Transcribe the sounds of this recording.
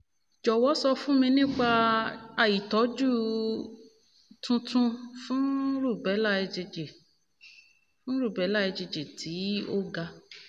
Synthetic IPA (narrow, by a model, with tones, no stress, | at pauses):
d͡ʒɔ˨wɔ˨˦sɔ˧fũ˦mĩ˧nĩ˦˨k͡pa˧a˧˨ji˨tɔ˨˦d͡ʒu˦ | tũ˧tũ˧fũ˦ɾu˦˨bɛ˨˦la˦e˧d͡ʒe˧d͡ʒe˨ | fũ˦ɾu˦˨bɛ˨˦la˦˨e˧d͡ʒe˧d͡ʒe˨tʰi˨˦o˦ɡa˧